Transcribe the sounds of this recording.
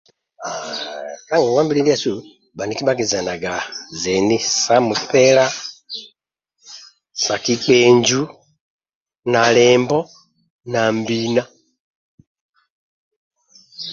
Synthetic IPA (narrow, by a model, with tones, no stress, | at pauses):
a˨ka˦ŋɡɔ˨ɡwa˦mbi˦lɛ˦li˦a˦˨su˦˨ | ba˨ni˨ki˦ba˦ɡɛ˨za˨na˨ɡa˨zɛ˨ni˦sa˦mu˨pɛ˦la˦ | sa˨ki˦k͡pɛ˨ɲd͡ʒu˦ | na˨lɛ˨mbɔ˦ | na˨mbi˦na˦